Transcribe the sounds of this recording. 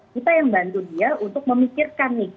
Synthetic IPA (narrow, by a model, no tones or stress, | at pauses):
kit̪ajaŋbant̪udiaunt̪ʊk̚məmikɪrkanːɪh